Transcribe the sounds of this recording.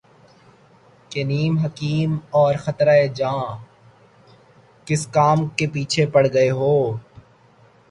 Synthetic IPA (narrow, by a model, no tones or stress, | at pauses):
keniːmɦɐkiːmɔːɾxɐt̪ɾaed͡ʒãː | kɪskaːmkepiːt͡ʃʰepɐɽ̤ɡɐeɦoː